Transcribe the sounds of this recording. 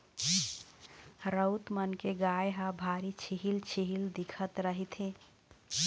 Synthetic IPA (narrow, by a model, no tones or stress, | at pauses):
ɾəʊt̪mənkeɡajɦabʱaɾit͡ʃʰiɦilt͡ʃʰiɦild̪ikʰət̪ɾəɦit̪ʰẽ